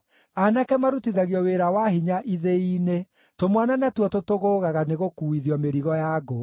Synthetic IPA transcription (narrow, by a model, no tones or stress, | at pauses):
anakɛmaɾutiðaɣiɔweɾawaɦiɲaʔiðeine | tomwananatwɔtotoɣoːɣaɣaneɣokuiðiɔmeɾiɣɔjaɡo